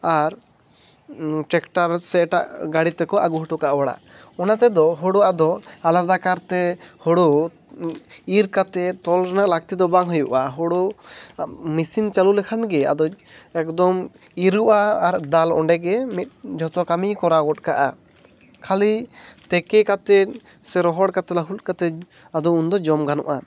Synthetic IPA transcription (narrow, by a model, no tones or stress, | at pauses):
aɾ | ʈɛkʈaɾsɛʈa̰ʔɡaɽit̪ɛkɔʔaɡuɦuʈɔkaʔwaɽa̰ | ɔnat̪ɛd̪ɔɦɔɽɔad̪ɔalaɾd̪akaɾt̪ɛhɔɽɔ | iɾkat̪ɛt̪ɔlɾɛnaʔlak̚t̪id̪ɔbaŋɦujuʔaɦɔɽɔ | misint͡ʃalulɛkʰanɡɛa̰d̪ɔɛk̚d̪ɔm | iɾuʔaːɾd̪alɔ̰ɳɖɛɡɛmit̪̚d͡ʒʱɔt̪ɔkamikɔɾaɡɔt̚kaʔa̰ | kʰalit̪ɛkɛkat̪ɛ | sɛɾɔɦɔɽkat̪ɛlaɦut̪̚ˀkat̪ɛ | ad̪ɔund̪ɔd͡ʒɔmɡanɔ̰ʔa